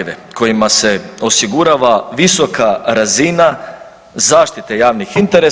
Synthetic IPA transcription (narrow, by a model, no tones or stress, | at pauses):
ʋḛko̞jimase̞o̞siɡuɾaːʋaʋiso̞kaɾazina | zaːʃt̪it̪e̞jaːʋnixint̪e̞ɾe